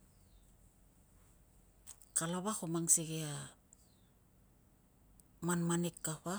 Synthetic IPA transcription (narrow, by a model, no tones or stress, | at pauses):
kalaβakomaŋseɡea | manmanekːaɸa